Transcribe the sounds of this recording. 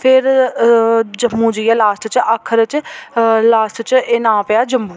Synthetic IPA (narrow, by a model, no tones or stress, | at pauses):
pʰɪɾ | d͡ʒəmːũːd͡ʒiːjaːlaːsʈ̪t͡ʃəkʰːəɾt͡ʃ | laːsʈ̪t͡ʃɪnãːpəjaːd͡ʒəmbuː